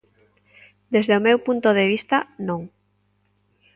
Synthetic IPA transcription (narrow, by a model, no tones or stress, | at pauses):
d̪ezðeomewpunt̪oðeβ̞ist̪anõŋ